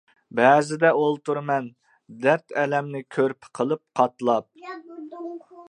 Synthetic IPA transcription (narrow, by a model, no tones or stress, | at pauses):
bɛːzɪd̪ɛolˠt̪uɾmɛn | d̪ɛɾt̪ɛlɛmnɪkʲʰøɾpʰɪ̥qʰəlˠɨp̚qʰɑt̪lˠɑp̚